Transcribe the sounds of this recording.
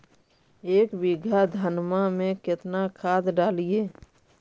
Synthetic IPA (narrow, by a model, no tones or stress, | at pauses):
eːkbɪɡʱad̪ʱənmamẽkɪt̪nakʰaːd̪ɖaːlieː